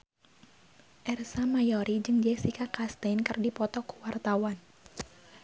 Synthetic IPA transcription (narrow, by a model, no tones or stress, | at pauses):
ʔɛrsamajɔɾid͡ʒɨŋd͡ʒɛksikakast̪ɛnkɨrdipɔt̪ɔkuwart̪awan